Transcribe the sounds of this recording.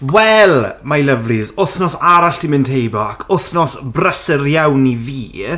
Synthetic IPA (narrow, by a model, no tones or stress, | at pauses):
wɛlˠmajləvrizʊθnɔsaɾaɬd̥ʰɪmɪntʰejbɔakʰʊθnɔsbrəsərjawniviː